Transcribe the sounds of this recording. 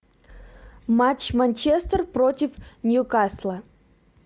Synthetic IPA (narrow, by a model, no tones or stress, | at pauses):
mat͡ɕmanʲt͡ɕest̪ərprotʲɪfnʲjukaslˠə